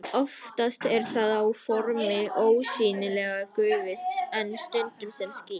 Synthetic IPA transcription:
ɔft̪ast̪ɛɾ̥θaðawfɔɾmɪʔoːwsiːnɪlɛːɣakʏːvɪθɛnːst̪ʏnt̪ʏmsɛmsciː

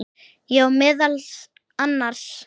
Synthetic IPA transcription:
jɛɔmɪːðal | anːaɾ̥s

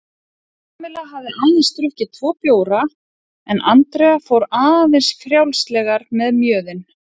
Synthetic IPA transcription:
aamɪlaɦavðɪʔaːjnɪnst̪ɾʏhcɪt̪ʰv̥ɔːpjoːwɾa | ɛnʔant̪ɾɛafowɾaːvejnsfɾjawlst̪lɛɣaɾmɛðmjœːðɪn

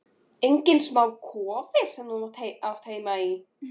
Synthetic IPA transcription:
ejɲcɪnsmaːwkʰɔːvɪsɛmnunat̪ʰeawt̪ʰeːjmai

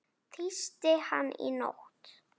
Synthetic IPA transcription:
t̪ʰist̪ɪhanːḭno̰ht̪

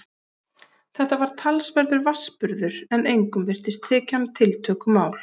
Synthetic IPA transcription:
θɛht̪avaɾ̥t̪ʰalsvɛɾðʏɾvaspʏɾðʏɾ̥ɛnejŋkʏmvɪr̥t̪ɪst̪ʰːɛːcamt̪ʰɪlt̪ʰœːkʏmaːwl̥

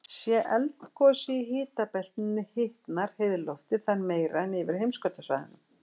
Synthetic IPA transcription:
sjɛʔɛlt̪n̥kʰɔːsiɦɪːt̪apɛl̥t̪nɪnːɪhɪht̪naɾ̥heðlɔft̪ɪθanːmeːjɾanɪvɪɾ̥hejmskœt̪asva̰ðɪ̰nʏm

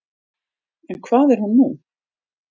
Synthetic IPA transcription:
ɛnkʰvaːðɛɾ̥hunːu

